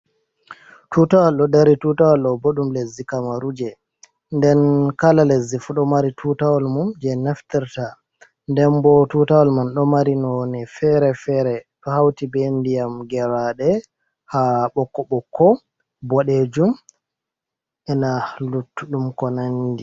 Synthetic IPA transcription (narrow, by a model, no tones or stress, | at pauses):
tutawɔlɗɔdaɾitutawɔlɗɔboɗumlezːikamaɾud͡ʒɛ | ndɛnkalalezːifuɗɔmaɾitʰutawɔlmumd͡ʒɛnaftɛɾta | ndɛnbɔtutawɔlmanɗɔmaɾinɔnɛfɛɾɛfɛɾɛtɔhawtibendijamɡɛɾaɗɛ | haɓɔkːɔɓɔkʰːɔ | bɔɗed͡ʒum | ʔɛnalutːuɗumkɔnandi